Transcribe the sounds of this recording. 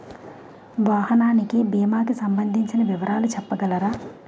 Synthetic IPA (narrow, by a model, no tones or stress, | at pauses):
ʋaːhɐnaːnikibiːmaːkisɐmbɐnd̪ʱiɲt͡ʃinɐʋiʋɐɾʔaːlut͡ʃɛpːɐɡɐlɐɾaː